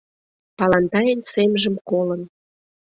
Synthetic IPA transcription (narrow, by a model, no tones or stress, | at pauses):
pɑlɑnt̪ɑjənsemʒə̆mkolən